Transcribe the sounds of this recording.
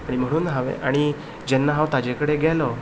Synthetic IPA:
aɽ̃im̤əɽ̃uːnɦaʋḛʔaɽ̃i | d͡ʑɛnːaɦãwt̪ad͡ʑekəɽeɡjɛlɔ

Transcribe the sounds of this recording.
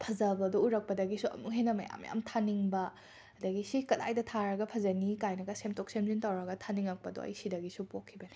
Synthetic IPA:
pʰɐzɐbɐdouɾɐk̚pɐdɐɡisuʔɐ̰muk̚ɦenɐmɐ̰ja̰mja̰mtʰaniŋbɐ | ɐdɐɡisikɐla̰jdɐtʰaɾɐɡɐpʰɐzɐnikajnɐɡɐsemtok̚semzintawɾɐɡɐtʰaniŋɐk̚pɐdo̰ɐ̰jsidɐɡisupokʰːibɐni

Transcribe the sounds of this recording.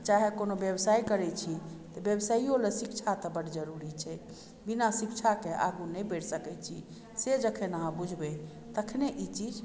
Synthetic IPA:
t͡ʃaɦekonobjəbsaikəɾɛt͡ʃʰit̪əbjəbsaiolesikt͡ʃʰat̪əbəɽd͡ʒəɾuɾit͡ʃʰɛ | binasikt͡ʃʰakeʔa̰ɡunɛbeɽsəkɛt͡ʃʰi | sed͡ʒəkʰenaɦãbud͡ʒʱbɛ | t̪əkʰneʔit͡ʃid͡ʒ

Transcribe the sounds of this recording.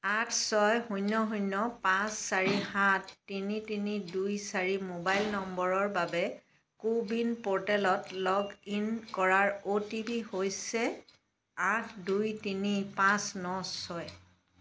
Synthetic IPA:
atʰsɔjɦujnːɔɦunːɔpãsːaɹihãtːinitinidujsaɹimobajlnɔmbɔɹɔɹbabɛ | kubinpɔɹtɛlɔtlɔɡinkɔɹaɹotipihojsɛ | atʰdujtinipãsnɔsɔj

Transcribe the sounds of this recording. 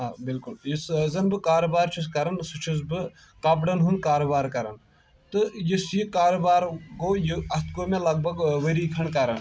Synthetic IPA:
ɦaːbilkʊljiszɐnbɨkaːɾobaːɾt͡ʃʰus̬kɐɾɐnsut͡ʃʰusbɨ | kɐpɽɐnɦund̪̚kaːɾobaːɾkɐɾɐn | t̪ɨjisjikaːɾoːbaːɾɡoːjuɐst̪koːmẽlɐɡ̚bʱɐɡʋɐɾiːkʰɐɳkɐɾɐn

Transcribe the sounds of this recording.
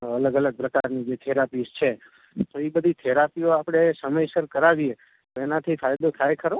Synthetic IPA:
ələɡələɡ̚pɾəkaɾnid͡ʒet̪ʰeɾapist͡ʃʰe | t̪oibəd̪ʱit̪ʰeɾapioapɽ̃esəməjsəɾkəɾaʋie | t̪oenat̪ʰifʰajd̪ot̪ʰajkʰəɾo

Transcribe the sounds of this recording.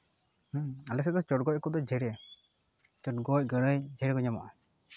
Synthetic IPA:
halɛs̬ɛd̪ɔt͡ʃɔʈ̚ɡɔc̚kɔd̪ɔd͡ʒɛɾɛ | t͡ʃɔʈɡɔc̚ɡəɽəjd͡ʒɛɾɛɡɔɲama̰ʔa

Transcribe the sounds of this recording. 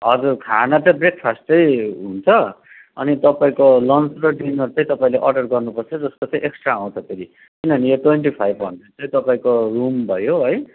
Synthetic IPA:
ʌd͡zurkʰanat͡sʌĩbrek̚pʰasʈʌjɦunt͡sʰʌ | ʌ̰nit̪ʌpaĩkolʌnsrʌɖinʌɾut͡sʌ̃j̃t̪ʌpaĩleʔʌrɖʌrɡʌrnupʌrt͡sʰʌd͡zʌskot͡sʌj̃ʔeksʈrãːw̃t͡sʰʌp̪ʰeɾi | kinʌʌnijʌʈweɳʈipʰajbʌ̰nt̪et͡sʌj̃t̪ʌpaĩkorumbʱʌjoɦʌj

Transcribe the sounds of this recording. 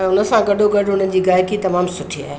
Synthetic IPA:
ɛ̃ːʊnə̆sãɡɐɖʱoɡɐɖʱʊn̤ən̆d͡ʑiːɡaːɪkit̪ɐmaːmsʊʈʰia̰ːɦe

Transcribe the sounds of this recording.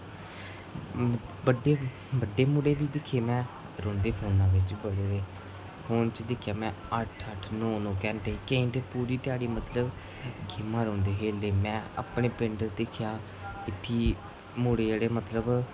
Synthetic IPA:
bəɖeː | bəɖːeːmʊɽeːbiːd̪ɪkʰːeːmɛ̃ː | ɾɔ̃ːnd̪eːpʰoːnãːʋɪt͡ʃːbəɽeːe | pʰoːnt͡ʃd̪ɪkʰjaːmɛ̃ː | əʈʰəʈʰnɔ̃ːnõːkɛːnʈeːkəĩːnt̪eːpuːɾiːt̪ɪjaːɽiːmət̪ləb | ɡʱɪmãːɾɔ̃ːnd̪eːɦeːleːmɛ̃ːa̰ːpɳeːpɾɪ̃ːɳɖəɾd̪ɪkʰɪjaː | ɪt̪ʰːiː | muɽeːeɽeːmət̪ləb

